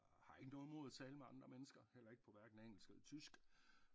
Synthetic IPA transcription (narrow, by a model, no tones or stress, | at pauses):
hɑ̈e̝ɡ̥ənɔ̽ːð̩ˠmo̝ðˠæt͡sʰɛːləmeɑ̈nd̥ʁɐmenəsɡ̥ɐhel̰ɐe̝ɡ̥əpʰɒ̽ʋæɐɡ̥n̩æeŋ̰l̩sɡ̥elɐt͡sʰysɡ̥